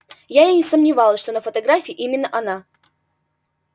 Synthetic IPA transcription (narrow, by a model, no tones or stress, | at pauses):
jajenʲɪsəmnʲɪvɑlˠəsʂt̪o̞nəfət̪ɐɡɾafʲɪːɪʔimʲɪnːəʔɐna